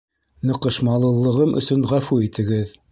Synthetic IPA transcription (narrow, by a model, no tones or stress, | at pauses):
nɤ̆qɤ̆ʃmɑlˠɤ̆lˠːɤ̆ʁɤmʔɵ̰̆sɵnʁæfuit̪ʰɘ̆ɡɘð